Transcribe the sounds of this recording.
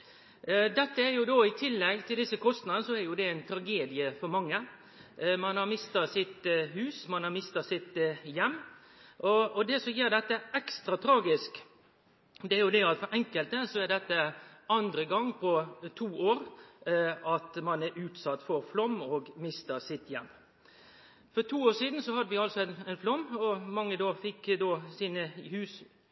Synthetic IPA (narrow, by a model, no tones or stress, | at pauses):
d̪ɛt̪ːəæɾjʊd̪oːɪt̪ʰɪlːɛɡt̪ʰɪld̪ɪsːəkʰɔst̪nɑd̪ənəsɔæɾjʊd̪ɛæɪnt̪ʰɾɑɡeːd̪ɪəfɔɾmɑŋːə | mɑnhɑɾmɪst̪ɑsɪt̪hʉːsmɑnhɑɾmɪst̪ɑsɪt̪jɛmː | ʔɔɔd̪ɛsɔjiːɾd̪ɛt̪ːəɛkst̪ɾɑt̪ʰɾɑːɡɪsk | d̪ɛæɾjʊd̪ɛɑt̪fɔɾʔɛŋkəlt̪əsɔæd̪ɛt̪ːəɑnd̪ɾəɡɑŋːpʰɔt̪ʰuːʔoːɾ | ɑt̪mɑnæɾʉːt̪sɑt̪ːfɔɾflɔmːɔːɡmɪst̪ɑsɪt̪jɛmː | fɔɾt̪ʰuːoːʂiːd̪n̩sɔhɑd̪ːəʋɪɑlsɔɛnɛnflɔmːɔmɑŋːəd̪oːfɪkːd̪oːsiːnəhʉːs